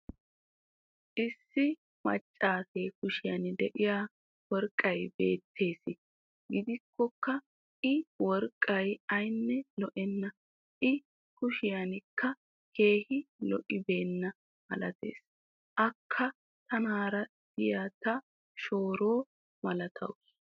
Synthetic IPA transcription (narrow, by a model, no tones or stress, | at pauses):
ʔɪsːɪ | mɐ̰t͡ʃʼːaːse̞ːkʊʃɪjɐ̰nɪd̪ɛʔɪjaː | wɔɾkʼːɐjbe̞̰ːt̪ʰːe̞ːsɪ | ɡɪd̪ɪkːɔkːɐ | ɪwɔɾkʼːɐjɐjnːɛlɔʔɛnːɐ | ʔɪ | kʊʃɪjɐnɪkʰːɐ | kʰe̞ːhɪlɔ̰ʔɪbe̞ːnːɐ | hɐ̰lɐ̰t̪e̞̰ːs | ʔɐkʰːɐ | t̪ɐnaːɾɐ | d̪̥ɪjat̪ɐ | ʃo̞ːɾo̞ː | mɐlɐt̪ʰɐ̰wʊs